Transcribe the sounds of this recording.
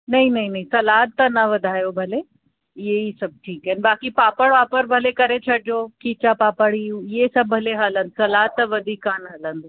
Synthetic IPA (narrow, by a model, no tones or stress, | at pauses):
nɐɦĩnɐɦĩnɐɦĩsɐlaːt̪t̪ɐnɐʋɐd̪ʱaːjobʱɐle | ɪɦeisɐb̚ʈʰiːkɛːnbaːkipaːpəɽʋaːpəɾbʱɐlekɐɾet͡ɕʰɐɽd͡ʑokiːt͡ɕapaːpəɽiɪɦesɐbːʱɐleɦalə̃nd̪sɐlaːt̪ːɐʋɐd̪ʱiːkːaːnɦɐlə̃nd̪